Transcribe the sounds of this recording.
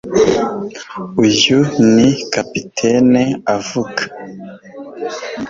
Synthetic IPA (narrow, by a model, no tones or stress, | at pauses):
ujunikapitʰeneavuɡḁ